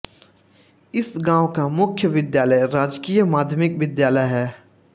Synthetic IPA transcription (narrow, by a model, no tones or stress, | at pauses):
ɪsɡãːwkamʊkʰjəʋɪd̪jaːləjɾaːd͡ʒkijəmaːd̪ʱjmɪkʋɪd̪jaːləjɦɛː